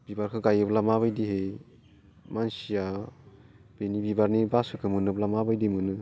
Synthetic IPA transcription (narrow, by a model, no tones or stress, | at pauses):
b̥ibaɾkʰɯɡajɯblamaβajdihej | mansija | b̥enibibaɾnibasɯkʰɯmɯnɯblamabajdimɯnɯ